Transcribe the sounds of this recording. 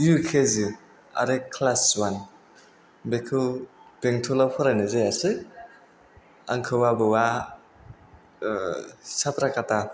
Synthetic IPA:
jukʰezɯ | a̰ɾekʰlaswan | bekʰɯb̥eŋtʰɔlapʰɔɾajnɯzajasɯj | a̰ŋkʰɯwabɯwa | sapɾakata

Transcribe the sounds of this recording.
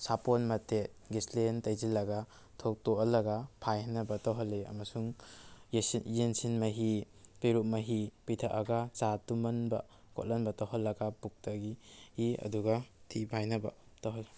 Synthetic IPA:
saponmɐte | ɡislentɐjzilɐɡa | tʰok̚toʔlɐɡapʰajnɐbɐtawɦɐlːiɐ̰mɐsuŋ | jensinmɐɦi | piɾumɐɦipitʰɐʔaɡat͡ʃatumɐnbɐ | ko̰tlɐnbɐtawɦɐlːɐɡapuk̚tɐɡihiɐ̰duɡatʰipʰajnɐbɐ̰tɐwɦɐl

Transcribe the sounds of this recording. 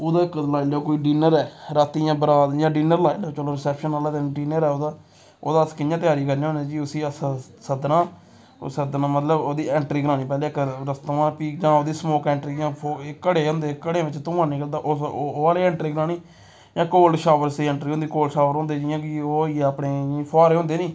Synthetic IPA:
oːd̪aːɪkːlaːiloːkoːiːɖiːnəɾɛːɾaːt̪iːjãːbəɾaːd̪jãːɖiːnəɾlaːiɖoːt͡ʃoːloːɾɪsɛːpʃənaːlaːt̪eɖiːnəɾɛːoːd̪aː | o̰ːd̪aːskɪnjãːt̪ɪjaːɾiːkəɾneːõːnẽːd͡ʒiːʊsiːəs | səd̪nã̰ː | səd̪nãːmət̪ləboːd̪iːɛ̃ːɳʈɾiːɡəɾãːnĩːpɛ̃ːleːɪkɾəst̪oãːpiːd͡ʒãːoːd̪iːsmoːkɛːɳʈɾiːd͡ʒãːpʰokːəɽeːɦõːnd̪eːkəɽeːʋɪt͡ʃt̪ʊ̃ːãːnĩːkəld̪aːʔooːaːleːɛ̃ːɳʈɾiːɡəɾãːniː | d͡ʒãːkoːlʃaːʋəɾsiːɛ̃ːɳʈɾiːɦõːnd̪iːkoːlʃaːʋəɾɦõnd̪eːd͡ʒɪãːkɪoːieəpɽeːpʰaːɾeːɦõnd̪eːnĩː

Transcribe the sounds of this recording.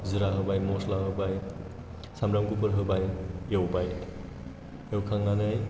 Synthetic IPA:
zɯɾaɦɯbajmɔslaɦɯbaj | samɾamkupɯɾɦɯbajewbaj | ewkʰaŋːanɯj

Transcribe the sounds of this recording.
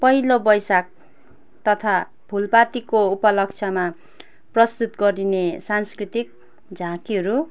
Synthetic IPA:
pʌɦilobʌjsak̚ | t̪ʌt̪ʰa | bʱulpat̪ikoupʌlʌk̚t͡sʰʌma | prʌst̪ut̪ɡʌɾinesanskrit̪ik̚ | d͡zʱãkiɦʌɾu

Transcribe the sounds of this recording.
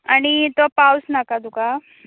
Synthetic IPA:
aɽ̃it̪opawsnakad̪uka

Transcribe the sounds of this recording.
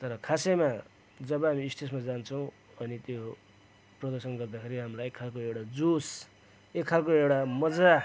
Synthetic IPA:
t̪ʌɾʌkʰasema | d͡zʌbʌɦamiːst̪ʰesmad͡zant͡sʰʌw̃ | ʌnit̪jo | prʌd̪ʌrsʌnɡʌrd̪akʰeɾiɦamlajekʰːalkoewɽad͡zus | ekʰːalkoewɽamʌd͡za

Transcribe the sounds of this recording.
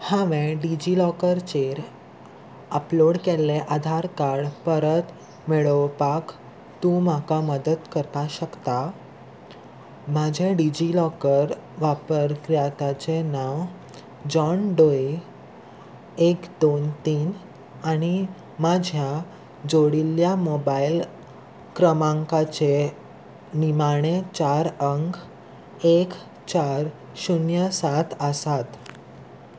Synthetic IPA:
hãʋɛ̃ɖid͡ʑilɔkəɾt͡ɕeɾ | əploɽkelːeʔad̪ʱaɾkaɾɽpəɾət̪ | meɭəʋpak | t̪ũmakaməd̪ət̪kəɾt̪aɕəkt̪a | mad͡ʑʱeɖid͡ʑilɔkəɾ | ʋapəɾkɾijat̪at͡ɕenaʋ | d͡ʑɔnɖoi | ekd̪ont̪iːn | aɽ̃i | mad͡ʑʱja | d͡zoɽiljamɔbail | kɾəmãŋkat͡ɕe | nimaɽ̃et͡ɕaɾəŋk | ek | t͡ɕaɾ | ɕunjəsat̪ʰəsat̪

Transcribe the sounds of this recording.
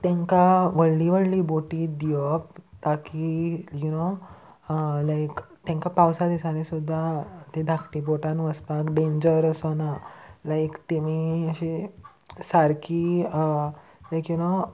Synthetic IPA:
t̪ãŋkaʋəɭliʋəɽliboʈiːd̪ijɔp̚t̪akijuno | lajkt̪ãŋkapawsad̪isanisud̪ʱːat̪ed̪ʱakʰʈiboʈãnʋəspakɖẽɲd͡ʑəɾəsənalajkt̪emiəɕi | saɾkiə | lajkjuno

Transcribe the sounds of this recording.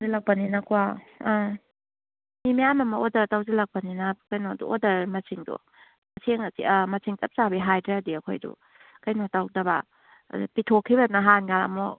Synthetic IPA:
zilɐk̚pɐninɐkua | mimijamɐmɐodɐɾtawzilɐk̚pɐninɐkɐjnodṵodɐɾmɐsiŋdṵ | mɐsʰeŋsimɐsʰiŋtɐp̚t͡ʃabiɦajdɾeɐdiɐkʰo̰jdṵ | kɐjnotawdɐba̰ | dṵpitʰokʰːiβɐnaɦanɡaɾa̰mo

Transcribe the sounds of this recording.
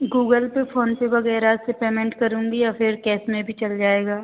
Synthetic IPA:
ɡuːɡəlpefʰoːnsebɐɣɛːɾasepeːmẽɳʈkɐɾũːŋɡijafʰɪɾkɛːsmẽbʱit͡ʃɐld͡ʒaːeːɡaː

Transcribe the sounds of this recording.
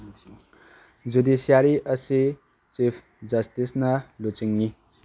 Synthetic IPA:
d͡zud̪isijaɾiʔʌsi | t͡sipʰ | d͡zʌst̪isnalut͡siŋːi

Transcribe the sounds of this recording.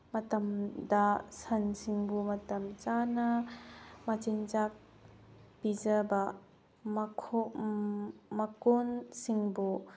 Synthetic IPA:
mɐtɐmdasɐnsiŋbumɐt̪ɐmt͡ʃanɐ | mɐt͡ʃint͡ʃak̚ | pizɐbɐ | mkʰo | mɐkonsiŋbu

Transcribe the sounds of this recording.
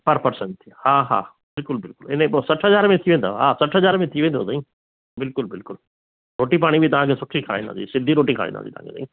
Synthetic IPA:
pəɾpəɾsəɳʈihãːɦa̰ː | bɪlkʊlbɪlkʊlɪnẽbosɐʈʰɦəd͡ʒaːɾmẽt̪ʰiʋẽːnd̪a̰ɦa̰ːsɐʈʰɦəaːɾmẽt̪ʰiʋẽːnd̪o̰ːt̪aĩ | bɪlkʊlbɪlkʊl | ɾoːʈip̬aːɽ̃ibʱit̪ɐʋ̤ãːkʰesʊʈʰːikʰəɾa̰ːĩnd̪a̰ːḭsɪd̪ʱiɾoːʈikʰəɾa̰ḭ̃ːd̪a̰sit̪ɐ̰ã̰ːket̪ã̰ĩ

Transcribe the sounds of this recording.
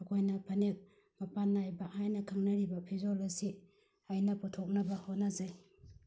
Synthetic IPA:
ɐkʰojnɐpʰɐnek̚ | mɐpanːajbahajnɐkʰaŋnɐɾibɐpʰizolesi | ajnɐputʰok̚nɐbɐhot̚nazaj

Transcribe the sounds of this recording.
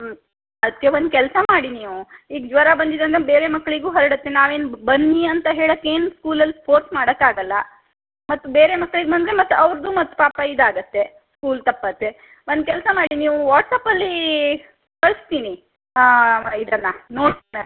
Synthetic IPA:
ɐd̪kːeʋond̪ukɛlsɐmaːɽiniːʋuiːɡd͡ʒʋɐɾabɐnd̪id̪ɾɐnd̪ɐbe̞ːɾe̞mɐkːɐɭiɡuːɦɐɾɐɽɐt̪ːenaːʋe̞ːnubɐnːiɐnt̪ɐɦe̞ːɭɐkːe̞ːnuskuːlɐlːispʰoːɾsmaːɽɐkːaːɡɐlːɐ | mɐt̪ːubeːɾemɐkːɐɭiɡbɐnd̪ɾemɐt̪ːuɐʋɾd̪uːmɐt̪ːu̥paːpɐid̪aːɡɐt̪ːe̞ | skuːlt̪ɐpːɐt̪ːe̞ | ond̪kɛlsɐmaːɽiniːʋuʋaːʈsaːpɐlːi | kɐɭst̪iːni | id̪ɐnːɐno̞ːɽt̪inɐ

